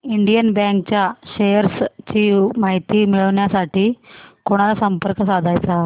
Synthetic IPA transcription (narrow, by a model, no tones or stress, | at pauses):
iɳɖijɐnbjaːŋkt͡ɕaʃejɐɾst͡ɕimaːɦit̪imiɭɐʋnjasaːʈikuɳ̃ad̪ɐsɐmpəɾkɐsaːd̪ʱaːjt̪a